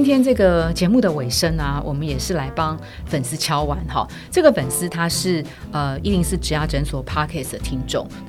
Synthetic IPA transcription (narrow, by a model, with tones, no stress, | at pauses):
nt̪ʰjɛ˥nʈ͡ʂɤ˥˩ɡə˩t͡ɕjɛ˧˥mu˥˩d̪ə˩we˨˩ɪʂə˥nɐ˨wʔɔ̰˨˩mə˦njɛ˨˩ʂɻ̩˥˩la˧˥ɪpɑ˦ŋ | fə˨˩ns̩˥t͡ɕʰjɑ˥ʊwa˧˦nxɑ̰˥˨ | ʈ͡ʂɤ˥˩ɡə˩fə˨˩nsɹ̩˥t̪ʰa˥ʂɻ̩˥˩ | ə˧i˥˧li˥˧ŋsɹ̩˥˩ʈ͡ʂɻ̩˨˥ja˥˩ʈ͡ʂə˧˥nswɔ˨˩pʰa˥kʰɛ˥˩sd̪ə˨˩t̪ʰi˥ŋʈ͡ʂʊ̰˥˩ŋ